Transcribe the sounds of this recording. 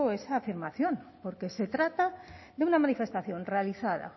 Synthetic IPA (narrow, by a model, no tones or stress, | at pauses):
oesaːfiɾmaθjo̞mpo̞ɾke̞se̞t̪ɾat̪ad̪eunamanife̞st̪aθjo̞nrealiθað̞a̰